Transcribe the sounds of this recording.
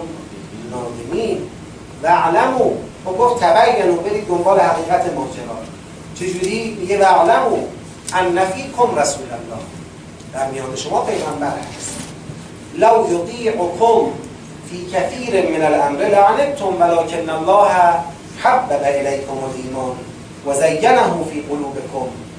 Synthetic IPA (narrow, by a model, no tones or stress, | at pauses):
nɒːzemiːn | væʕlæmuː | oɡoft̪t̪ʰæbæjːænuːbeɾiːd̪̚d̪ombɒːlehæɣiːɣæt̪ʰemoːd͡ʒeɾɒː | t͡ʃʰed͡ʒuːɾiːmiɡevæʕlæmuː | ʔænːæfiːkʰomɾæsuːlælːɒ̰ːh | d̪̥æɾmijɒːneʃomɒːpʰe̞jɣambæɾhæ̰st̪ | lawjot̪iːʕokʰom | fiːkʰaθiːɾenmenalʔamɾeleʕaneb̚t̪ʰomvælɒːkʰenːælˠːɑːhæ | ħabːæbæʔelæjkʰomolʔiːmɒːn | wazæjːanaɦuːfiːqoluːbekʰom